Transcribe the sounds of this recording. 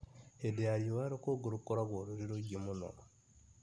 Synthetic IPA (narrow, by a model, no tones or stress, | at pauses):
edeaɾjowaɾokoɡuɾukoɾaɡwoɾuɾiɾoɟimuno̰ko